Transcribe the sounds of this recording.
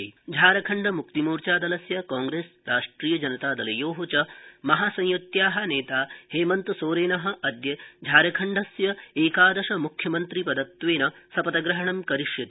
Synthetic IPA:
d͡ʒʱaːɾɐkʰɐɳɖɐmukt̪imuːɾt͡ʃaːd̪ɐlɐsjɐkaːŋɡɾeːsɾaːʂʈɾiːjɐd͡ʒɐnɐt̪aːd̪ɐlɐjoːɦot͡ʃɐmɐɦaːsɐ̃jjot̪jaːɦɐ̆neːt̪aːheːmɐnt̪soːɾeːnɐɦɐ̆ʔɐd̪jɐd͡ʒʱaːɾɐkʰɐɳɖʱɐsjɐeːkaːd̪ɐʃɐmukʰjɐmɐnt̪ɾipɐd̪ɐt̪ʋeːnɐsɐpɐt̪ɐɡɾɐɦɐɳɐmkɐɾiʂjɐt̪

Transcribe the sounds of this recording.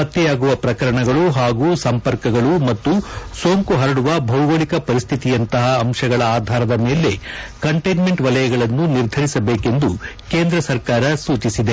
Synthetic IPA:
ɐt̪ːɛjaːɡuʋɐpɾɐkɐɾɐɳɐɡɐɭuɦaːɡuːsɐmpɐɾkɐɡɐɭumɐt̪ːusoːŋkuɦɐɾɐɽuʋɐbʱɐwɡɐɭikɐpɐɾist̪ʰit̪ijɐnt̪ɐɦɐːmʂɐɡɐɭɐaːd̪ʱaːɾɐd̪ɐme̞ːle̞kɐɳʈejnmeɳʈʋɐlɐjɐɡɐɭɐnːuniɾd̪ʱɐɾisɐbe̞ːke̞nd̪u | ke̞ːnd̪ɾɐsɐɾkaːɾɐsuːt͡ʃisid̪e̞

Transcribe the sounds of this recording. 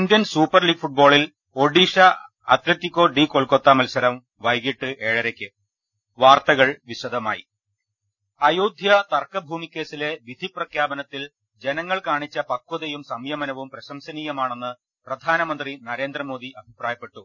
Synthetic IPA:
nd̪jɐnsuːpːɐrliːɡfuʈ̚bo̞ːɭil | o̞ɖiːʂɐ | ɐt̪letːikʲːo̞ːɖiːkoɭkot̪ːamɐlsɐɾɐm | ʋɐjɣiʈːɨʔe̞ːɻɐɾekʲːɨ | ʋaːrt̪ɐɣɐɭʋiɕɐd̪ʱɐma̰ːjḭ | ɐjoːd̪ʱjɐt̪ɐrkɐbʱuːmikʲːe̞ːsile̞ʋid̪ʱiprɐkʰjaːbɐnɐt̪ːil | d͡ʑenɐŋːɐɭkaːɳit͡ɕːɐpɐkːuðɐjumsɐmjɐmɐnɐʋumprɐɕɐmsɐniːjɐmaːɳenːɨ | prɐd̪ʱaːnɐmɐnd̪rinɐɾe̞ːnd̪rɐmo̞ːd̪ʱiʔɐbʱipraːjɐpːe̞ʈːu

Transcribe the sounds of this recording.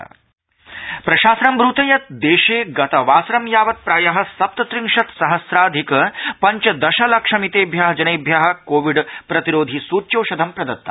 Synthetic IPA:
pɾɐʃaːsɾɐmbɾut̪ɐjɐt̪̚d̪eːʃeːɡɐt̪ɐʋaːsɾɐmjaːʋɐt̪̚pɾaːjɐɦɐ̆sɐp̚t̪ɐt̪ɾiŋʂɐt̪sɐɦɐsɾaːd̪ʱikɐpɐɲt͡ʃɐd̪ɐʃɐlɐkʂɐmit̪eːbʱjaːɦɐd͡ʒɐnɐjbʱjaːɦɐ̆koːʋiɖpɾɐt̪iɾoːd̪ʱisuːt͡ʃoːʃɐd̪ʱɐmpɾɐd̪ɐt̪ːɐ̰

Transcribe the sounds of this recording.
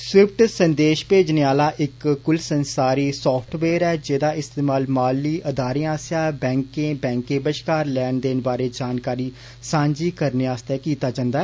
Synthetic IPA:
sɪp̚ʰʈsənd̪eːʃpeːd͡ʒneːaːlaːʔɪkːʊlsənsaːɾiːsɔːpʰʈʰʋeːɾɛːd͡ʒeːd̪aːʔɪst̪eːmaːlmaːlːiːʔəd̪aːɾijãːsjaːbɛ̃ːŋkẽːbɛ̃ːŋkẽːbəʃkaːɾlɛːnd̪eːnbaːɾeːd͡ʒaːnkaːɾiː | sãːɲd͡ʒiːkəɾneːaːst̪ɛːkiːt̪aːd͡ʒãːnd̪aːɛː

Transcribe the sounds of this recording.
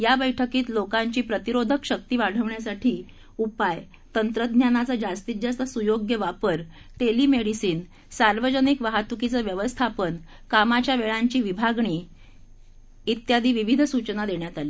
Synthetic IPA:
jabəjʈʰəkiːt̪lokãɲt͡ɕiːpɾət̪iɾod̪ʱəkɕək̚t̪iːʋaɽ̤əʋɳjasaʈʰiː | upaj | t̪ənt̪ɾəd̪ɲjanat͡sad͡ʑast̪id͡zast̪əsujoɡjəʋapəɾ | t̪eliːmeɽisiːn | saɾʋəd͡ʑənikʋaɦat̪ukit͡səʋjəʋəst̪ʰapən | kamat͡ɕjaʋeɭãɲt͡ɕiːʋibʱaɡɳiː | it̪jad̪ʱiːʋiʋid̪ʱsut͡ɕnad̪eɳjat̪ali

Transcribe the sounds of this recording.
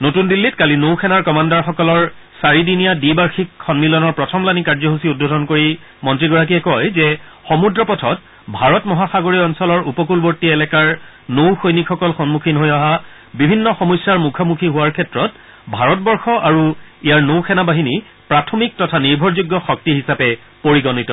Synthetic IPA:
notundilːitkalinowkʰɛnaɹkɔmandaɹxɔkɔlɔɹ | saɹidinijadibaɹxikʰːɔnmilɔnɔɹpɹɔtʰɔmlanikaɹzɔɦusiud̚bodʱɔnkoɹi | mɔntɹiɡɔɹak̬iɛkɔjzɛxɔmudɹɔpɔtʰɔt̚ | bʱaɹɔtmɔɦaxaɡoɹiɔnsɔlɔɹupɔkulboɹtiɛlɛkaɹ | nowxojnikʰxɔkɔlxɔnmukʰinɦojaɦa | bibʱinːɔxɔmɔjsːaɹmukʰamukʰiɦʊwaɹkʰɛtɹɔt | bʱaɹɔt̚bɔɹxɔʔaɹuijaɹnowxʰɛnabaɦini | pɹatʰɔmik̚tɔtʰaniɹbʱɔɹzuɡːɔxɔk̚tiɦisapɛ | poɹiɡɔnitɔ

